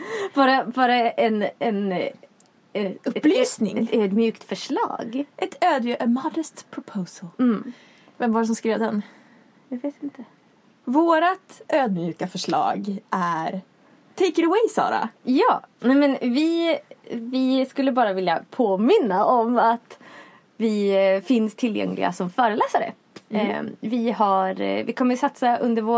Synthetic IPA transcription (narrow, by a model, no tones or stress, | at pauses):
bɑːɾabɑːɾaɛnɛn | ɵp̪pːlyːsnɪ̰ŋɛt̪øːd̪mjʉ̟ːkt̪fœʂɭɑ̰ːɡʔɛt̪ʰøːd̪ʔmɑd̪əst̪pʰɾʊpʰoːsəl | vɛmvaɖɛs̬ɔmskɾeːvd̪ɛn | jaːɡveːt̪ɪnt̪ə | voːɾat̪øːd̪̚mjʉ̟ːkafœʂɭɑ̰ːɡʔæɾ | t̪ʰejkəɾəwɛjsɑ̰ːɾa̰jɑːnɛmɛnvɪ | vɪskɵlːəbɑːɾavɪljapʰoːmɪnːaʔɔmat̪ | vɪfɪnst̪ʰɪljɛ̰ŋlɪ̰ɡa̰sɔmfœːɾəlɛːsaɾə̰ | vɪhaɾvɪkʰɔmːəsat̪saʔɵnd̪əɾvoː